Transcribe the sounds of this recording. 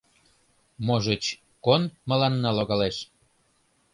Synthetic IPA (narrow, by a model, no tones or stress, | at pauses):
moʒət͡ɕ | konmə̆lɑnːɑloɣɑleʃ